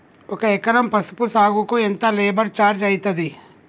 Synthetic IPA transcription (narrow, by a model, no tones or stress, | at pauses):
ʊkeekɐɾəmpɐspʊsaːɡukoent̪aleːbəɽt͡ʃaːɾd͡ʒaːit̪ɐd̪iː